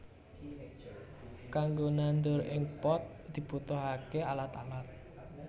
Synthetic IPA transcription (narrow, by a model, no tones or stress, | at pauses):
kaŋɡonand̪ʊɾʔɪŋpɔt̪̚d̪̥i̤put̪oɦakealat̪alat̪̚